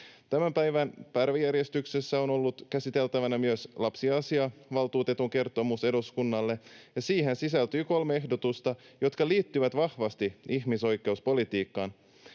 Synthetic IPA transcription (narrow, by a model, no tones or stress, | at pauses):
t̪æmæmpæjʋænpærʋijærje̞st̪yksesːæo̞no̞lːut̪kæsit̪e̞lt̪æʋænæmyøslɑpsiɑsiɑʋɑlt̪uːt̪e̞t̪uŋke̞rt̪omuse̞duskunːɑlːejɑsiːhensisælt̪yːko̞lmee̞hdo̞t̪ust̪ɑjo̞t̪kɑliːt̪ːyʋæt̪ʋɑhʋɑst̪iihmiso̞jkˑe̞uspo̞lit̪iːkːɑːn